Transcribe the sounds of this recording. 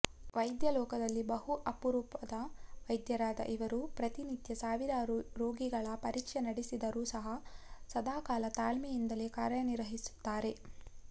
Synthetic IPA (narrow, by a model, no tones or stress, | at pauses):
ʋɐjd̪jɐlɔːkɐd̪ɐlːibɐɦuʔɐpuɾuːpɐd̪ɐʋɐjd̪jɐɾaːd̪ɐ̰ʔiʋɐɾupɾɐt̪init̪jɐsaːʋiɾaːɾuɾoːɡiɡɐɭɐpɐɾiːkʂɐnɐɽesid̪ɐɾuːsɐɦɐsɐd̪aːkaːlɐt̪aːlmijind̪ɐle̞ːkaːɾjɐniɾʋɐɦisu̥t̪ːaːɾe̞